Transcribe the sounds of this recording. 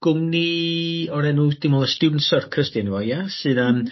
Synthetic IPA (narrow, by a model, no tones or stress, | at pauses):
ɡ̥ʊmniɔɾɛnud̥ɪmɔlˠəstudn̩sɔrkʰrəstjanivɔjasɨːnəm